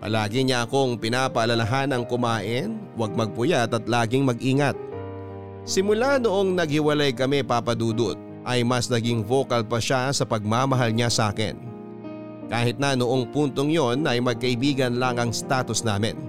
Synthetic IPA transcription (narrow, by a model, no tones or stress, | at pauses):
pɐ̰laːɡɪɲaʔɐko̞ŋpɪnaːpɐʔːlɐlɐɦanɐŋkʊmaːʔɪnwaɡ̚mɐɡ̚pʊjat̪ɐt̪laːɡɪŋmɐɡʔiːŋɐt̪̚ | sɪmʊlanoʔo̞ŋnɐɡ̚hɪwɐlajkɐmɛpapɐd̪uːd̪ot̪̚ | ʔɐjmɐsnɐɡɪŋvo̞ːkɐlpɐʃasɐpɐɡ̚maːmɐɦalɲasa̰ːkɪ̰n | kaːhɪt̪̚nɐnoʔoŋpunt̪o̞ŋjo̞nʔɐjmɐɡ̚kɐʔɪbiːɡɐnlaŋɐŋst̪aːt̪ʊsnaːmɪ̰n